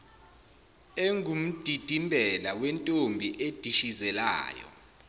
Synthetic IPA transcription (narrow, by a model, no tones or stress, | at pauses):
eŋum̩d̥ʱid̥ʱimbʱɛlawɛntʼombʱiʔed̥ʱiʃizɛla̰ːjɔ̰